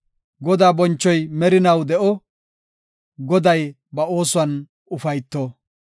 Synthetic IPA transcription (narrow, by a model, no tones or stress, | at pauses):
ɡɔd̪aːbɔnt͡ʃːɔjmɛɾɪnɐwd̪ɛʔɔ | ɡɔd̪ɐj | bɐo̞ːsʊɐn | ʊfɐjt̪ːɔ